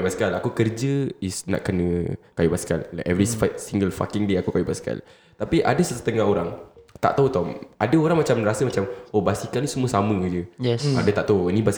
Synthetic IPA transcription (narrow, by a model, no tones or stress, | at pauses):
baskalakukərd͡ʒəisna̰ʔkənə̃kajubaska̰lːakɛvɾisfasiŋɡəlfa̰kiŋdeakukajubaska̰l | t̪apiʔadəsəsə̥t̪əŋaɦoɾaŋt̪a̰ʔt̪aut̪ɔmadəoɾaŋmat͡ʃamɾasəmat͡ʃamobasikalnisəmuəsamə̃d͡ʒəjɛa̰dat̪aʔt̪anĩbas